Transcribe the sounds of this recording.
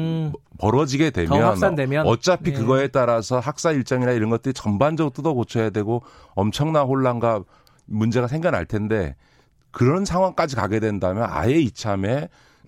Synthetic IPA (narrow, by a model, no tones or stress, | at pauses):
pʌɾʌd͡ʑiɡe̞dwe̞mjʌnademjʌʌt͡ɕ͈apʰikɯɡʌe̞t͈aɾasʰʌɦak̚s͈aiɭt͡ɕ͈ʌŋinaiɾʌnɡʌt̚t͈ɯɾit͡ɕʌmband͡ʑʌɡot͈udʌkot͡ɕʰʌjadwe̞ɡo | ʌmt͡ɕʰʌŋnanɸoɭːanɡa | mund͡ʑe̞ɣasʰe̞ŋɡjʌnɦa̰ɭtʰe̞nde̞ | kɯɾʌnsʰaŋwaŋk͈ad͡ʑikaɡe̞dwe̞ndamjʌna̰je̞it͡ɕʰame̞